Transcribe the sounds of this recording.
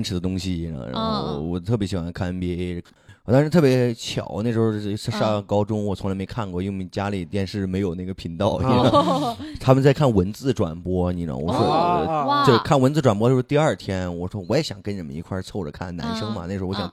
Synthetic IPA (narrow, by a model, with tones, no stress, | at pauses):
nʈ͡ʂʰɻ̩˧˥d̪ə˧t̪ʊ˥ŋɕḭ˨˧˥ɻa̰˧˥nxo˥˩ʊwɔ˨˩t̪ʰɤ˥˩pjɛ˧˥ɕi˨˩xwa˧˥nkʰa˥npjɛ˥˨˩ | a˥˧ʂɻ̩˥t̪ʰɤ˥˩pjɛ˧˥t͡ɕʰjɑ̰˨˩˦ʊne˥˩ʂɻ̩˧˥o˥˧˥ʂa˥ʂa˥˩kɑ˥ʊʈ͡ʂʊ˥ŋwɔ˨˩t͡sʰʊ˧˥ŋla˧˥ɪme˧˥ɪkʰa˥˩nkwɔ˥˩i˥we˥˩˨t͡ɕja˥li˨˩t̪jɛ˥˧nʂɻ̩˥˩me˧˥ɪjo˨˩ʊne˥˩ɡə˩pʰi˧˥nt̪ɑ˥˩ʊi˧˥n˥t̪ʰa˥mə˨nt͡sa˥˧ɪkʰa˥˩nwə˧˥nt͡sɹ̩˥˩ʈ͡ʂwa̰˨˩npwɔ˥ni˧˩ə̰˧˩wɔ̰˨˧˩ʂwɔ˥˧t͡ɕjo˥˧ʊ˧kʰa˥˩nwə˧nt͡sɹ̩˥˧˩ʈ͡ʂwa˨˩pɔ˧˥t͡ɕjo˥˧˩ʂt̪i˧ɐ˞˥˩t̪ʰjɛ˥nwɔ˨˩ʂwɔ˥wɔ˧˥jɛ˧˥ɕjɑ˨˩ŋkə˥nʈ͡ʂə˥˩mə̰˧ḭ˧˥kʰwa˥˧t͡sʰo˥˩ʊʈ͡ʂə˨˩kʰa̰˥˩nna̰˧˥nʂɤ˥ŋmɐ̰˨ne˥˩ʂɻ̩˧˥˧jɑ˨˧˦